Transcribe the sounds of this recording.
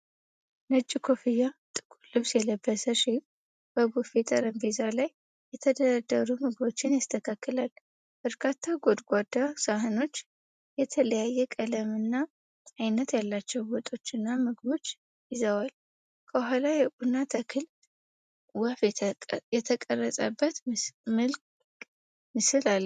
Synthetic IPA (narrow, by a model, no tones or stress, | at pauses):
nɨt͡ʃʼːikʰo̞fijːat̪ʼɨ̥kʼulɨβsjɛləbːəsəʃik | b̥əbufet̪ʼəɾəmbizalaj | jɛt̪ʰəd̪əɾad̪ːəɾumɨɡɨbo̞t͡ʃːɪnjast̪ʰəkʰakːɨlal | b̥əɾkʰat̪ʰːaɡod̪ɡʷad̪ːasaɦɨno̞t͡ʃː | jɛt̪ʰələjajːɛkʼələmɨnːa | ʔajnːət̪jalːat͡ʃːɛwbot̪ʼo̞t͡ʃːɨnːamɨɡɨbo̞t͡ʃː | jɪzəwal | kʰəɦalajɛʔʼunːat̪ʰəkʰɨl | wəfjɛt̪ʰəkʼərːəsʼə̰bːət̪mɨlk | mɨsɨlal